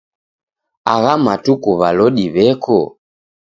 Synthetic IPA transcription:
aɣamatukuβalɔɗiβɛkɔ

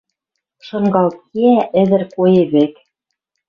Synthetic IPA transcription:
ʃŏɴɢɑlˠkiæʔɘ̆ðɘ̆ɾkujɘ̆βɘk

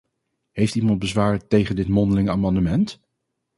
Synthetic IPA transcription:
ɦejftimɑnt̚bəzʋaːɹtejχəndɪtmɔndəlɪŋəaːmɑndəmɛnt

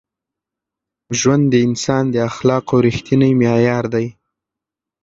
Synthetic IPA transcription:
ʒwand̪d̪əɪnsɑnd̪əaxlɑqawɾixt̪inəjmjɑjɑɾd̪aj

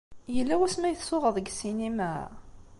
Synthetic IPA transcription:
jəlːæwæsmæjəθsʊʁəðˤəɡsinimæ

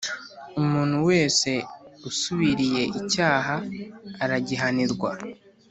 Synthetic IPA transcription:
umuːn̥huwe̞ːse̞usuβiɾije̞ʔicaːɦaːɾaɟiɦaniɾɡwa

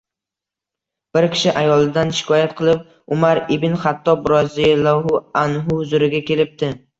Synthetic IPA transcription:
b̥ɪɾkʲʰɪ̥ʃɪʔajɒlˠɪd̪anʃɪ̥kʰɒjat̪̚qʰɨlˠɪp̚ | ʊmaɾɪbɪnχat̪ʰːɒbɾɒzilaɦʊanɦʊhʊzʊɾɪɡʲakʲʰe̞lɪp̚t̪ʰɪ

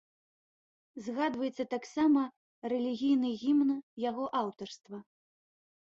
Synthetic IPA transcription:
zɣad̪vɐjɛt̪sːɐt̪aksamɐ | rɛlʲiɣʲijnɨɣʲimnjaɣɔʔawt̪ɐrst̪vɐ

